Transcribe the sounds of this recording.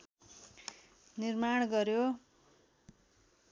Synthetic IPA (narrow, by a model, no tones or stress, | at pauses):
nirmaɽ̃ɡʌɾjo